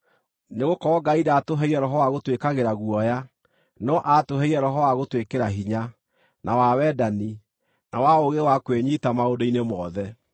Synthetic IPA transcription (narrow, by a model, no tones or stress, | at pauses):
neɣokɔɔɡaidaːtoɦɛiɾɛɾɔɦɔwaɣotwekaɣeɾaɣwɔja | nɔʔatoɦɛiɾɛɾɔɦɔwaɣotwekeɾaɦiɲa | nʔawawɛdani | nawaoɣewakweɲitamaodoinemɔðɛ